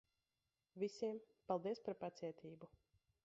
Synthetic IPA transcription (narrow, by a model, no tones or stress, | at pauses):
vʲisʲiɛm | palˠd̪iɛspaɾpat̪siɛt̪ʰiːbu